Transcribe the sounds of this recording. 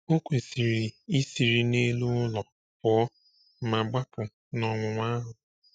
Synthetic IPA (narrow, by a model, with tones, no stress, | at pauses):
o˦kʷe˨si˨ɾi˨i˦si˨ɾi˨ne˦lu˦ʊ˦lɔ˨ | pɔ˨˦ | ma˨ɡ͡ba˦kʊ˨ | nɔ˨ŋʷʊ˨ŋʷa˦ɦʊ˨